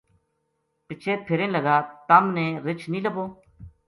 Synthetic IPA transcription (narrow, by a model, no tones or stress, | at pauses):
pɪt͡ʃʰeːt̪̚pʰɪɾẽːnləɡaːt̪əmnẽːɾɪt͡ʃʰniːləboː